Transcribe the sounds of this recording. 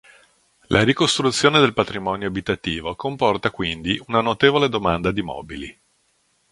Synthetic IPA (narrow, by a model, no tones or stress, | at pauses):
lʔaɾikost̪ɾut̪sːjoːned̪elpat̪ɾimɔːnjoabit̪at̪iːvokompɔrt̪akwind̪iunanot̪eːvoled̪omand̪ad̪imɔ̰ːbilḭ